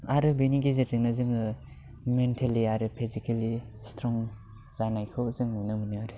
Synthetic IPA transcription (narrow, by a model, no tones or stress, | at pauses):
aɾɯbeniɡizetɯŋnazɯŋɯ | mentʰeliaɾɯpʰizikali | stɾɔŋ | zanajkʰɯzɯŋɯnɯmɯnɯaɾɯ